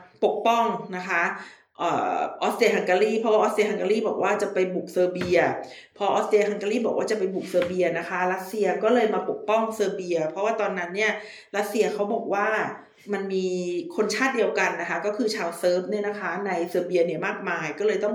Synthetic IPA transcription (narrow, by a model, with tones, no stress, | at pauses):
po˨˩k̚pɔ˥˩ŋna˦˥kʰa˦˥ | ʔə̰ː˨˩ʔɔː˦˥si˧ɐ˧kʰa˧ŋkaː˧ɾiː˥˩pʰɾɔ˦waː˥ʔ̪ːsi˧ha˧ŋkaː˧ɾiː˥˩bɔː˨˩k̚waː˥˩t͡ɕa˨˩pa˧jbu˨˩k̚sɤː˧bi˧ɐ | pʰɾɔ˦˥ʔɔː˨˦˥si˧ɐ˧hʰa˧ŋkaː˧liː˥˩bɔː˨˩kwaː˥˩t͡ɕa˨˩pa˧jbu˨˩k̚sɤː˧bi˧ɐna˦˥kʰa˦˥ɾa˦˥t̪̚si˧ɐkɔː˥˩lɤː˧jmaː˧po˨˩k̚pɔ˥˩ŋsɤː˧bi˧ɐpʰɔ˦˥waː˥˩t̪ɔː˧nːa˦˥nːi˥˩ɐ | ɾa˦˥t̪̚si˧ɐkʰa˦˥wbɔː˨˩k̚waː˥˩ | ma˧nmiː˧kʰo˧nt͡ɕʰaː˥˩t̪̚di˧əwka˧nːa˦˥kʰa˦˥kɔː˥˩kʰɯː˧t͡ɕʰaː˧wsɤː˦˥p̚ni˥˩˨na˧˥˩kʰaː˦˥na˧jsɤː˧bi˧ɐni˦˩ɐmaː˥˩k̚maː˧jkɔː˥˩lɤː˧jt̪ɔ˥˩ŋ